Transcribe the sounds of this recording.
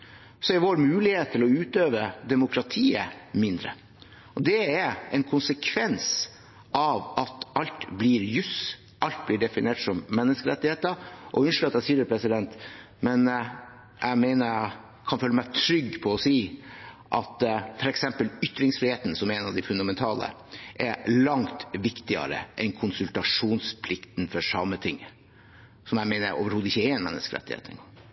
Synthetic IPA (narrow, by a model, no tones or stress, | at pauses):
sɔæɾʋoːɾmʉːlɪheːt̪t̪ʰːɪlɔʉːt̪øːʋəd̪ɛmʊkʰɾɑt̪ʰiːə̰mɪnd̪ɾə̰ | ɔd̪ɛæɾɛnkʰʊnsəkʰʋɛns | ʔɑʋɑt̪ɑlt̪blɪɾjʉs | ʔɑlt̪̚blɪɖɛfɪneːʈsɔmːɛnːəskəɾɛt̪ːɪheːt̪əɾʔɔ̰ʉnʂl̩əɑt̪æsiːəɾpʰɾɛsɪd̪ɛnt̪ | mɛn | ʔæ̰mæɪnə | kʰɑnføːləmæɪt̪ʰɾʏɡːpʰɔɔsiː | ʔɑt̪fɔɾɛksɛmpəlʏt̪ːɾɪŋsfɾɪheːt̪nsɔmɛɾɛnɑʋd̪ɪfʉnd̪ɑmɛnt̪ʰɑːlə̰ | ʔɛɾlɑŋt̪ʋɪkt̪ɪɑ̰ɾə̰ʔɛnkʰʊnsʉlt̪ɑʂuːnspʰlɪkt̪n̩fɔʂɑmːət̪ʰɪŋː | sɔmjæɪmæɪnəʔo̰ːʋəɾhuːd̪ɪçːəɛɾɛnmɛ̰nːə̰skəɾɛ̰t̪ːɪ̰hḛːt̪ɪŋ